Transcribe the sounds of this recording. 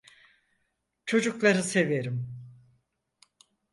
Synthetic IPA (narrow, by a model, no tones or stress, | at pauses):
t͡ʃʰo̞d͡ʒuklˠaɾɯse̞veɾim